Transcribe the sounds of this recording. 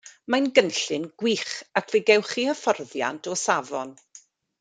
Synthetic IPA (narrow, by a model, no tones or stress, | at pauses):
majnɡənɬɨnɡ̥wiːχakʰveɡɛwχiəfɔrðja̰ntʰɔsavɔn